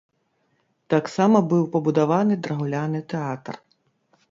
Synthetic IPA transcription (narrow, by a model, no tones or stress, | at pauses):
t̪ɑksɑmɐbɨwpɐbud̪aʋɑnɪd̪ɾɐɦʊlʲanɪt̪ɛɑt̪r